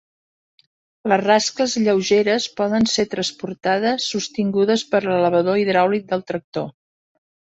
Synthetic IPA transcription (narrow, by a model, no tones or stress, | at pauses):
ləzraskləzʎəwʒeɾəspɔðənset̪ɾəspuɾt̪aðəsːust̪iŋɡuðəspəɾlələβ̞əðoiðɾawlik̪̚d̪əlˠt̪ɾək̚t̪o